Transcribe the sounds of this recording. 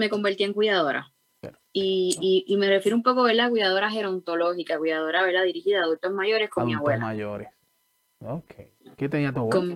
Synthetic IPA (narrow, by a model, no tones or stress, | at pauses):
me̞ko̞mbeɾt̪ieŋkwiðaðo̞ɾʔa̰ | iː | me̞refjeɾumpo̞koβeɾlak̬wiðaðo̞ɾaɦe̞ɾo̞nt̪o̞lo̞hikakwiðaðo̞ɾaβeɾd̪aðiɾihiðaːðult̪o̞zmaʝo̞ɾe̞skomiaɣwela̰oɾ | oke | ket̪eniat̪kom